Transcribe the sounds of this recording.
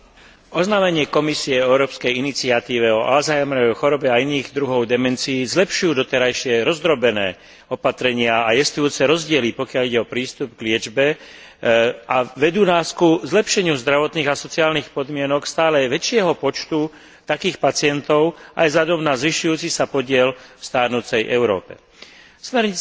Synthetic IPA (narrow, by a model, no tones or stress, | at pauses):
ɔznaːmɛɲɪɛkɔmisiɛɛʊɾɔːpskɛjinit͡siat̪iːʋɛɔʔalzajmɛjɔxɔɾɔbɛainiːɣd̪ɾuɦɔʊd̪ɛmɛnt͡siːzlɛpʃujuːd̪ɔt̪ɛɾajʃɪɛɾɔzd̪ɾɔbɛnɛː | ɔpat̪ɾɛɲɪaajɛst̪ujuːt͡sɛɾɔzɟɪɛlipɔkjaliɟɛɔpɾiːst̪ubɡlɪɛd͡ʒbɛ | aʋɛd̪uːnaːskuzlɛpʃɛɲɪuzd̪ɾaʋɔt̪niːɣasɔt͡siaːlniːxpɔd̪mɪɛnɔkst̪aːlɛʋɛt͡ʃɪɛɦɔpɔt͡ʃt̪u | t̪akiːxpat͡sɪɛnt̪ɔʊa̰jzʎad̪ɔmnazʋiʃujuːt͡sisapɔɟɪɛlfst̪aːɾnut͡sɛjʔɛʊɾɔ̰ːpɛ̰ | smɛɾɲi